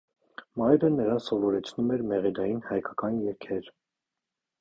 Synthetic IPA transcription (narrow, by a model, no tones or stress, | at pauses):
mɑjɾənəɾɑnsɔvɔɾɛt͡sʰnumɛɾmɛʁid̪ɑjinhɑjkʰɑkɑnjɛɾkʰɛɾ